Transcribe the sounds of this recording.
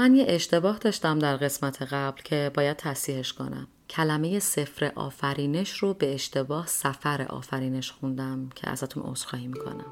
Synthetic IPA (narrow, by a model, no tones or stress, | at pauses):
mænjeʔeʃt̪ʰe̞bɒːhd̪ɒːʃt̪æmd̪æɾɣe̞smæt̪ʰe̞ɣæblcʰe̞bɒːjæd̪̥̚t̪ʰæsiːheʃkʰo̞̰næ̰m | cʰælæme̞je̞se̞fɾeʔɒ̰ːfæɾiːne̞ʃrobe̞ːʃt̪e̞bɒːhsæfæɾḛʔɒ̰ːfæɾiːne̞ʃxund̪æmmcʰḛæ̰zæt̪ʰuno̰sxɒːhimikʰo̰næm